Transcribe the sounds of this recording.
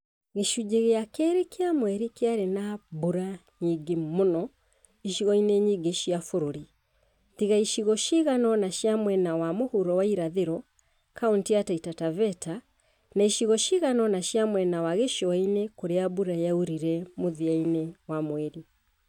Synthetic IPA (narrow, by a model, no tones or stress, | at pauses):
ɣeʃud͡ʒeɣeakɛɾekeamwɛɾikeaɾenabuɾaɲiɡemonɔ | iʃiɣɔineɲiɡeʃiafuɾoɾi | tiɣaiʃiɣɔʃiɣanɔnaʃjamwɛnawamohuɾɔwaiɾaðeɾɔ | kauntiataitatavɛta | naiʃiɣɔʃiɣanɔnaʃjamwɛnawaɣeʃoainekoɾeabuɾajauɾiɾɛmoðiainewamwɛɾi